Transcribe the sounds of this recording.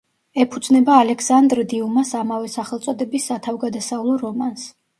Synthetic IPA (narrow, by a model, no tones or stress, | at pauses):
ɛpʰud̪znɛbaːlɛksand̪ɾd̪iumasamavɛsaχɛlˠt̪sʼɔd̪ɛbisːat̪ʰavɡad̪asaulˠɔɾɔmans